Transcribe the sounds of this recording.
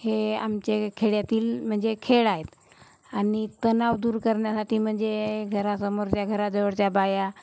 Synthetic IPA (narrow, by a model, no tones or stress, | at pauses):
hea̰mt͡ɕekʰeɭjat̪iːlm̤əɳd͡zekʰeɭaɦet̪ | anit̪ənaʋd̪uːɾkəɾɳjasaʈʰiːm̤əɳd͡zeɡʱəɾasəmoɾt͡ɕjaɡʱəɾad͡zəʋəɽt͡ɕjabaja